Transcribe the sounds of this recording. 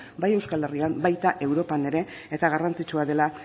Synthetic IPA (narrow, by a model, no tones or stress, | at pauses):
baje̞wskale̞riambajt̪aʔe̞wɾo̞pane̞ɾe̞ | et̪aɣarant͡sit͡ʃuaðe̞la